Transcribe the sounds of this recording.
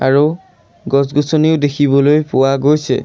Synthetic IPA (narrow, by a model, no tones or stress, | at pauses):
a̰ɹu | ɡɔsɡusɔniʊdekʰibɔlojpʊwaɡojsɛ̰